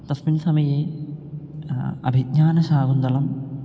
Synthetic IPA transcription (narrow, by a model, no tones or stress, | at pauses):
t̪ɐsminsɐmɐjeː | ɐ̰bʱid̪ɲaːnɐʃaːɡund̪ɐlɐm